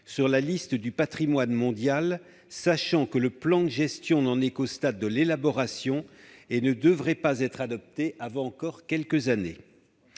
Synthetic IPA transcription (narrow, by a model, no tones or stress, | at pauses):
syʁlalist̪əd̪ypat̪χimwanmɔ̃d̪jal | saʃɑ̃kələplɑ̃d̪əʒɛst̪jɔ̃nɑ̃nɛkost̪ad̪ːəlelabɔʁasjɔ̃enəd̪əvʁɛpazɛt̪χad̪ɔp̚t̪eʔavɑ̃ːkɔʁkʲɛlkəzanḛ